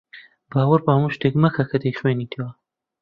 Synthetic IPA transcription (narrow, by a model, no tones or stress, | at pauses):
baːwɐɾpaːɐmuʃt̪eːkmɐkʰɐkʰɐd̪ejχweːniːt̪ʰiwɐ